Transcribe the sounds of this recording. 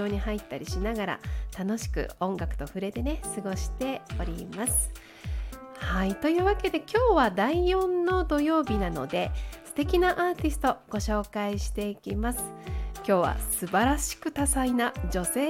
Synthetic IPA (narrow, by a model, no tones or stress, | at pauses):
o̞ːɲ̟iɦait̪ːaɾʲiɕinaɡaɾa̰t̪ano̞ɕi̥kɯ̟̰õ̞ŋɡakɯ̟̥t̪o̞ɸɯ̟ɾe̞t̪e̞ne̞sɨɡo̞ɕi̥t̪e̞o̞ɾʲimasɨ̥ | hait̪o̞jɯ̟ːβake̞d̪e̞kʲo̞ːβad̪aijõ̞nːo̞d̪o̞jo̞ːbʲinano̞d̪e̞sɨ̥t̪e̞kʲinaʔaːt̪ʲisɨ̥t̪o̞ɡ̥o̞ɕo̞ːkaiɕi̥t̪e̞ikʲimasɨ̥kʲo̞ːβa̰sɨbaɾaɕi̥kɯ̟t̪asainad͡ʑo̞se̞ː